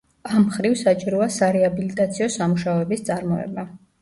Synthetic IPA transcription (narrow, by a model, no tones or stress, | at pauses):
amχɾivsat͡ʃʼiɾɔasaɾɛabilit̪ʼat̪sʰiɔsamuʃaɔɛbist̪sʼaɾmɔɛ̰ba